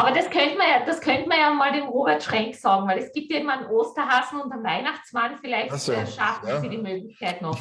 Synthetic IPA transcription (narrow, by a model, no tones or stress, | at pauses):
ʔaːbɐd̥askʰœntəmɐjaːd̥askʰœntəmɐjaːmaːldeːmʁoːbɛɐtʃʁɛŋksɑːɡŋ̩væɪlɛsɡ̥iːp̚tjaeɪmanʔoːstɐɦaːzn̩ʊntanvaɪnaχt͡smanfɪlæɪçtʃafɪfiːdiːmøːɡlɪçkʰaɪtnɔx